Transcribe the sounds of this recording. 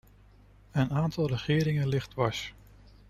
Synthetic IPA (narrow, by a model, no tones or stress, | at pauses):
ənaːntɑlˠrəχɪːɾɪŋənlɪχdʋɑs